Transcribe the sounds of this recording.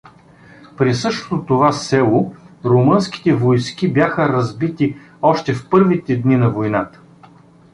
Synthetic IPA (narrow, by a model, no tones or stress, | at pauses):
pɾisɤʃt̪o̥t̪ot̪ovasɛlˠoɾomɤnsk̟i̥t̪ɛvojsk̟ibʲjaxəɾɐzbit̪i | ɔʃt̪ɛfpɤɾvit̪ɛd̪ninɐvojnat̪ə̥